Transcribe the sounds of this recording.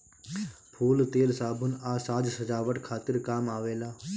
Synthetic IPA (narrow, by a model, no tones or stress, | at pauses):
pʰuːlt̪eːlsaːbʱʊnaːsaːd͡ʒsəd͡ʒaːʋəʈkʰaːt̪ɪɾkaːmaːʋeːlaː